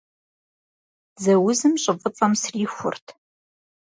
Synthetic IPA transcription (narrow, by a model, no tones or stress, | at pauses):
zɐwʊzɨmɕʼɪvɨt͡sʼɐmsriːxʷʊ̰rtʰ